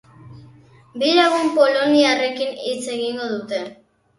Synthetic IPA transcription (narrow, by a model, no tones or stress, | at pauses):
bilaɣumpo̞lo̞niare̞kinit͡se̞ɣiŋɡo̞ðut̪e̞